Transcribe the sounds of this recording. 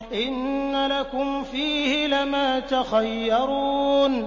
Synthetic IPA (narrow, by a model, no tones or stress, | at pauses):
ʔɪnːalakʊmfiːhɪlamaːt̪axajːɑɾuːn